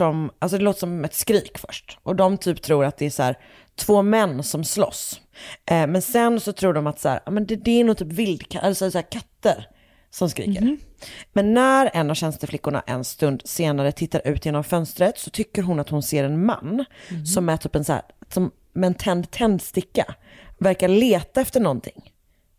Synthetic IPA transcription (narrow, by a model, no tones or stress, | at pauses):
ɔmʔals̬ɔd̪ɛloːt̪əʂɔmɛt̪skɾiːkfœ̰ʂʈʔɔd̪ɔmt̪ʰyːpt̪ʰɾuːɾat̪̚d̪ɛæʂæ̰ːɾ | t̪ʰvoːmɛnːsɔmslɔ̰s | mɛnsɛnsɔt̪ʰɾuːɖɔmat̪sæ̰ːɾa̰ːmɛnd̪ɛd̪ɛːnʊt̪ʰyːpvɪld̪kʰaʔɛlɛsɛsaæːkʰat̪ːəɾ | sɔmskɾḭːkə̰ɾmɛnːæɾɛnːavɕɛnst̪əflɪkːʊɳa̰ʔɛ̰nst̪ɵnd̪seːnaɾət̪ʰɪt̪ːaɾʔʉ̟ːt̪jeːnɔmfœnst̪ɾət̪sɔt̪ʰʏkːəɾɦʊnat̪hʊnseːɾɛnma̰nːsɔmɛt̪ʰyːpɛnsæ̰ːsɔm | mɛːnt̪ʰɛnd̪t̪ʰɛnd̪st̪ɪkːa̰ | væɾkaɭeːt̪aɛft̪əɳɔnt̪ʰɪ̰ŋ